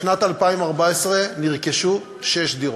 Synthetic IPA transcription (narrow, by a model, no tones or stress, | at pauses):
ʃnat̪alpaimaʁbaesʁeniʁkeʃu | ʃeʃd̪iʁ